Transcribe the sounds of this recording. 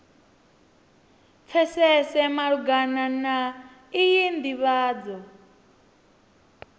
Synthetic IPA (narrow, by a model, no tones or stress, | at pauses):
p̪fʰɛsɛsɛmaɺuɡanana | ijind̪iβaːd͡zɔ